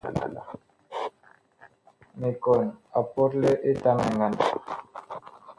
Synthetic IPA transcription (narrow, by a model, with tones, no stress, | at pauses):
me˨ko˨na˨po˦ɾle˦ʔe˦ta˦ŋa˨ŋa˨na˨